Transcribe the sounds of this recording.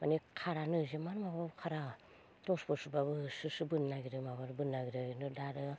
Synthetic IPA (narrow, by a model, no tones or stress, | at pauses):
manikʰaɾanɯzimanmababkʰaɾa | tospɯsubaβɯsɯsɯbɯnːaɡiɾɯmabaɾbɯnːaɡiɾɯnɯdaɾɯ